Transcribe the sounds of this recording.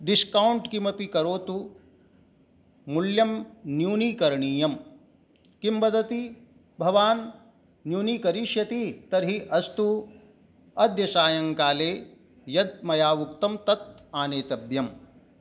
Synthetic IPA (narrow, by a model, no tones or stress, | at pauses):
ɖiskɐwuɳʈkimɐpikɐɾoːt̪u | muljɐmnjuːniːkɐɾɳiːjɐm | kimbɐd̪ɐt̪i | bʱɐʋaːnː | juːniːkɐɾiːʃjɐt̪it̪ɐɾɦiʔɐst̪u | ɐd̪jɐsaːjɐŋkaːleː | jɐd̪̚mɐjaːʋukt̪ɐmt̪ɐt̪̚aːneːt̪ɐbjɐm